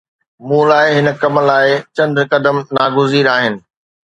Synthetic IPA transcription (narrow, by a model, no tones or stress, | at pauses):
mũːlaːɪɦɪnə̆kɐmə̆laːɪt͡ɕɐ̃nd̪ɾkɐd̪əmnaːɡʊziːɾaːɦɪnɪ̆